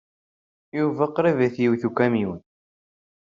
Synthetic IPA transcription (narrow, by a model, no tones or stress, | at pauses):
juvæqːɾivæθjiwθukæmin